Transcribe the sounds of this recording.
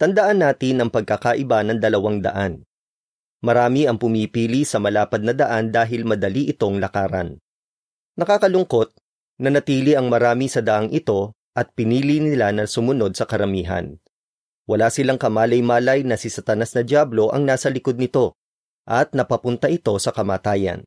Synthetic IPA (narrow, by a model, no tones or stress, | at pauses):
t̪ɐnd̪ɐʔanːaːt̪ɪnɐŋpɐɡ̚kɐkaʔɪbanɐŋd̪ɐlɐwaŋd̪ɐ̰ʔan | mɐɾaːmiɐŋpʊmipiːlisɐmɐlaːpɐd̪̚nɐd̪ɐʔand̪aːɦɪlmɐd̪ɐliʔɪt̪o̞ŋlɐkaːɾɐ̰n | nɐkaːkɐlʊŋko̞t̪̚ | nɐnɐt̪iːliʔɐŋmɐɾaːmisɐd̪ɐʔaŋʔɪt̪o̞ | ʔɐt̪̚pɪniːlinɪlanɐsʊmʊno̞d̪̚sɐkɐɾɐmiːɦɐ̰n | wɐlaːsɪlaŋkɐmaːlɐjmaːlɐjnɐsisɐt̪ɐnasnɐd̪jaːblo̞ʔɐ̰ŋnaːsɐlɪko̞d̪nɪt̪o̞ | ʔɐt̪̚nɐpɐpʊnt̪ɐʔɪt̪o̞sɐkɐmaːt̪aːjɐ̰n